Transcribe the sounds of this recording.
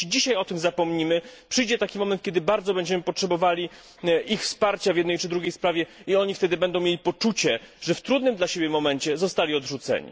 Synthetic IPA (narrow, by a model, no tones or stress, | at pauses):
d͡ʑiɕajɔt̪ɘmzapɔmɲimɘpʂɘjd͡ʑɛt̪akʲimɔmɛnt̪̚kʲɛd̪ɘbaɾd̪zɔbɛɲd͡ʑɛmɘpɔtʂɛbɔvalʲi | ʔixfspaɾt͡ɕavʲjɛd̪nɛjt͡ʂɘd̪ɾuɡʲjejspɾavʲjɛiɔɲift̪ɛd̪ɘbɛnd̪ɔw̃mʲjelʲipɔt͡ʂut͡ɕɛʐ̥ɛft̪ɾud̪nɘmd̪laɕebʲjɛmɔmɛɲt͡ɕɛzɔst̪alʲiɔd̪ʐut̪sɛ̰ɲḭ